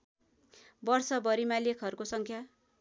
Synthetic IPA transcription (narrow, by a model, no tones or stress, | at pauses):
bʌrsʌbʌɾimalekʰɦʌɾukosʌŋkʰja